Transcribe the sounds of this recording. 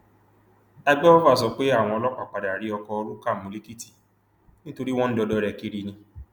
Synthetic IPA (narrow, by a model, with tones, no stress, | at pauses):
a˧ɡ͡bɛ˦ɔ˦va˦˨s̬ɔ˨˧k͡pe˦a˦˨w̃ɔ̃˧ɔ˧lɔ˦k͡pa˦˨k͡pa˨da˨ɾi˨˦ɔ˧kɔ˧o˧ɾu˦ka˦˨mũ˨˦le˦ki˦ti̥˦˨ | nĩ˦to˧ɾi˦w̃ɔ̃˦n̩˦dɔ˧dɔ˧˦ɾɛ˧ki˧˦ɾi˧nĩ˧